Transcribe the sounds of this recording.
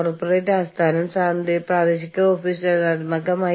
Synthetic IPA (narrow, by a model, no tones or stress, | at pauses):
orpːoreːʈːaːst̪ʰaːnɐmsaːnd̪ipraːʋeɕikʲːɐoːfiːsɐɐd̪mɐkːɐma